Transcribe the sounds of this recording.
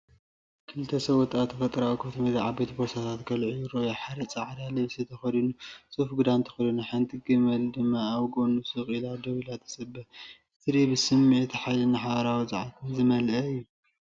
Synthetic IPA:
kʰɨlɨt̪ʰːɐsɐβɔt̪ʼat̪ʰːɐfɐt̪ʼɾawikʰot̪ʰɐmed̪aʕabet̪bosat̪ʰat̪kʰɐlʕujuɾojaħaɾɐt͡sʼaʕd̪alɨβsit̪ʰɐxɐd̪inusʼofɡɨd̪ant̪ʰɐ̥xɐd̪inaħant̪ʼɨɡɨmɐld̪ɨmːaːwɡo̞nusɨχʼilad̪ɐβilat̪ʰːɐ̥sɐbːɐ | t̪ʰɨɾibɨsɨmːet̪ħajlɨnaħaβɐɾawizɐʕakʰɨmzɨmɐlʔɐɨjːu

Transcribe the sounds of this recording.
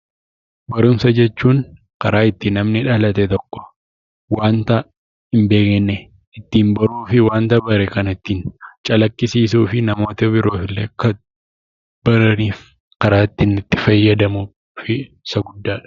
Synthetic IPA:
bɐɾʊmsɐd͡ʒɛt͡ʃːuːŋ | kɐɾaːɪt̪ːɪnɐmnɪᶑalɐt̪ɛt̪ɔkːɔ̥ | waːnt̪ɐ | ɪmbeːkɛnːɛ | ɪt̪ːiːmbɐɾuːfɪwaːnt̪ɐbɐɾɛkɐnɪt̪ːiːnt͡ʃʼɐlɐkːɪsiːs̬uːfɪnɐmo̞ːt̪ɐbɪɾo̞ːfɪlːeːkɐ | b̥ɐɾɐniːf | kɐɾaːt̪ːɪnɪt̪ːɪfɐjːɐd̪ɐmu | fɪ | sɐɡʊd̪ːaːᶑɐ̥

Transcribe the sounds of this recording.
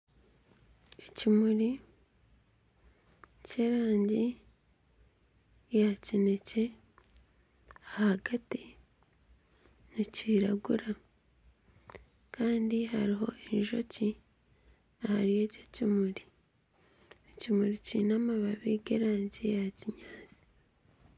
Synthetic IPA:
ecimuɾi | ce̞ɾaːɲɟi | jacine̞ce̞ | ahahaɡati | niciɾaɡuɾa | kaːndiɦaɾiɦo̞̰eiʒo̞ci | ahaɾije̞ːco̞cimuɾi | ecimuɾicinamaβaβiɡeɾaːɲɟijaciɲaːzi̥

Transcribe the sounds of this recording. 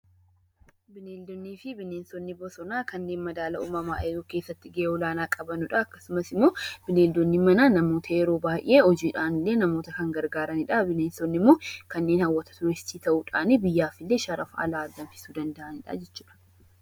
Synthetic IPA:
bɪneːld̪ɔnːiːfɪbɪneːnsɔnːɪbɔsɔnaːkɐnːe̞ːnmɐd̪aːlɐʔṵːmɐma̰ːʔɛjoːke̞ːsːɐt̪ːɪɡʔeɔlaːnaːkʼɐbɐnʊᶑɐɐkːɐsʊmɐsɪmːo̞ːb̥ɪneːld̪ɔnːimɐnanɐmo̞ːt̪ʰɐɛɾoːbaːʔeːɔd͡ʒiːᶑaːnɪlːe̞ːnɐmoːt̪ɐkɐŋɡɐɾɡaːɾɐnɪᶑɐbɪneːnsɔnːɪmːoːkɐnːe̞ːnhɐwːɐt̪ɐ̥t̪ʊɾɛst̪ːiːt̪ɐʔuːᶑaːnibɪjːaːfɪlːe̞ːʃɐɾɐfɐ̰laːd̪ɐnfɪ̥suːd̪ɐnd̪ɐʔɐnɪᶑɐ̰d͡ʒɛt͡ʃːuːᶑɐ̥

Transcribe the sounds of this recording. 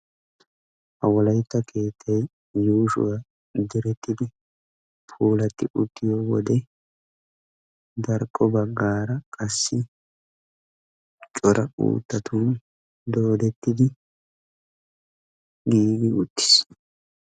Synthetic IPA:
ʔɐwɔlɐjt̪ːɐkʰe̞ːt̪ʰːɐj | juːʃʊ̰wa | d̪ɪɾɛt̪ːɪd̪ɪ | pʰuːlɐt̪ːɪʔʊt̪ːɪjɔwɔd̪ɛ | d̪ɐɾkʼːɔbɐɡːaːɾɐkʼɐsːɪ | t͡ʃʼɔɾʔɐṵːt̪ːɐt̪ʰun | d̪o̞ːd̪ɛt̪ːɪd̪ɪ | ɡiːɡɪʊt̪ːɪ̥s

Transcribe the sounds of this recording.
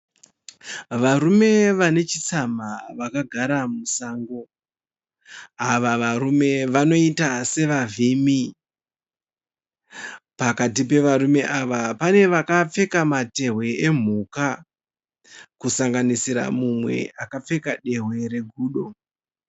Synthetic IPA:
ʋaɾume̞ʋane̞t͡ʃit͡samaʋakaɡʱaɾamusaːŋɡo | aʋaʋaɾume̞ʋano̞itase̞ʋavimi | pakatipe̞ʋaɾume̞ʔaʋapane̞ʋakap͡fe̞kamate̞ɦwe̞em̤uka | kusaŋɡanisiɾa̰mumwe̞̰akap͡fe̞kaɗe̞ɦwe̞ɾe̞ɡʱuːɗo̞

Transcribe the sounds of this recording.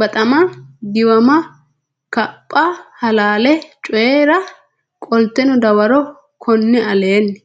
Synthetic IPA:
bɐt̪ʼɐmɐd̪ɪwɐmɐ | kɐpʼːɐhɐlaːlɛt͡ʃʼɔjɛɾɐ | kʼɔlt̪ːɛnɔd̪ɐwɐɾɔ | kʰɔnːɪɐle̞ːnː

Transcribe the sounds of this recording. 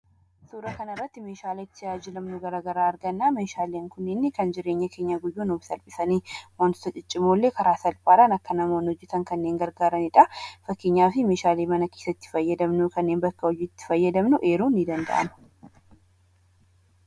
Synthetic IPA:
suːɾɐkɐnɐɪrːɐt̪ːɪme̞ːʃaːlet̪ːɪjaːd͡ʒɪlɐmnʊɡɐɾaɡɐɾaːɾɡɐnːaːmeːʃaːleːŋkʊnːɪnːɪkɐnd͡ʒɪɾe̞ːɲːɐke̞ːɲːɐɡʊjːuːnuːbsɐlpʼɪsɐniːwɐnt̪t̪ːɐt͡ʃʼɪt͡ʃʼːɪmoːlːe̞ːkɐɾaːsɐlpʼaːɾɐnɐkːɐnɐmoːnhɔd͡ʒːɛt̪ɐŋkɐnːeːŋɡɐɾɡaːɾɐnɪᶑɐfɐkːeɲːaːfɪme̞ːʃaːleːmɐnɐkeːsɐt̪ːɪ̥fɐjːɐd̪ɐmnʊkɐnːeːnbɐkːɐɔjɪt̪ːɪ̥fɐjːɐd̪ɐmnʊʔeːɾuːnːɪd̪ɐnd̪ɐ̰ʔɐ̰nʊ̥

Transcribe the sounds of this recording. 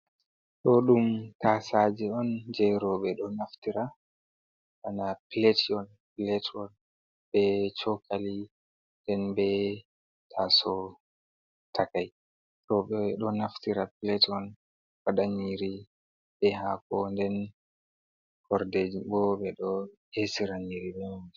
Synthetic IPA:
ɗɔɗumtasad͡ʒɛɔnd͡ʒɛjɾɔɓɛɗɔnaftiɾa | ʔanapiletɔn | pilɛtʰɔn | bɛt͡ʃɔkʰali | ndɛnbɛ | tʰasɔ | tʰakaj | ɾɔɓɛɗɔnaftiɾapilɛtɔn | faɗaɲiɾi | ɓɛɦakɔndɛn | kɔɾded͡ʒibɔɓɛɗɔhesiɾaɲiɾiɓɛmud͡ʒi

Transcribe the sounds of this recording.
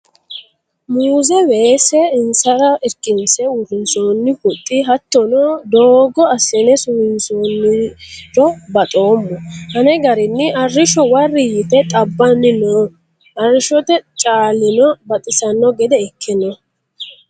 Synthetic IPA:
muːzɛweːsɛɪnsɐɾɐɛkʼːɪnsɛʊɾɪnsoːnːɪpʊt̪ʼːɪɦɐt̪ːɔnɔd̪oːɡɔɐsɛnɛsʊmɪnsoːnːɪɾɔbɐt̪ʼo̞ːmːɔhɐnɛɡɐɾɪnːɪʔɐrːɪʃɔwɐrːɪjɪt̪ɛt̪ʼɐbːɐnːɪnoː | ʔɐrɪʃɔt̪ɛt͡ʃʼaːlːɪnɔbɐt̪ʼɪsɐnːɔɡɛd̪ɛɛkʰːɪnɔ

